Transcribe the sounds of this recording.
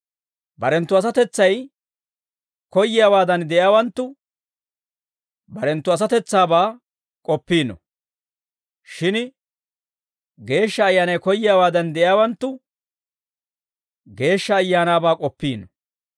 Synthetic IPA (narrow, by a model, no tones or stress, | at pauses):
bɐɾɛnt̪ːʊɐs̬ɐt̪ɛt͡sːɐj | kɔjːɪjaːwaːd̪ɐnd̪ɛʔjaːwɐnt̪ːʊ | bɐɾɛnt̪ːʊɐs̬ɐt̪ɛt͡sːaːbaː | kʼɔpːiːnɔ̰ | ʃɪn | ɡe̞ːʃːɐːjːaːnɐjkɔjːɪjaːwaːd̪ɐnd̪ɛʔjaːwɐnt̪ːʊ | ɡe̞ːʃːɐːjːaːnaːbaːkʼɔpːiːnɔ